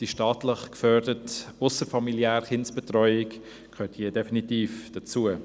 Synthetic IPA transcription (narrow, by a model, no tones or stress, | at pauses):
d̥iʃtɑːtləχkfœːɾdətʊsəɾfɑmiljæːɾχɪnsb̥ɛtrɔʏɪk | kʰøːthiədɛfinitiːfd̥at͡suə